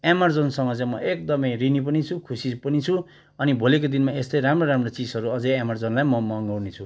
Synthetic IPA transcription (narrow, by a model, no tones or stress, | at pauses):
emʌrd͡zonsʌŋɡʌʌjmʌʔek̚d̪ʌmʌjrinip̬ʌnit͡sʰukʰusipʌnit͡sʰu | ʌnibʱolek̬od̪inmaest̪ʌjɾamroɾamrot͡sid͡zʌɾuʌd͡zʌjamʌrd͡zonlajmʌmʌŋɡʌwnet͡sʰu